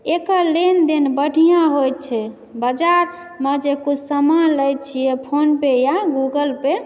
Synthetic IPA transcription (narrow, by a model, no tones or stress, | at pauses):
ekəlend̪enbəʈʰijãɦojt̪̚t͡ʃʰɛ | bəd͡ʒaɾ | med͡ʒekut͡ʃʰsəmanləjt̪̚t͡ʃʰijɛpʰonpejaɡuɡəlpe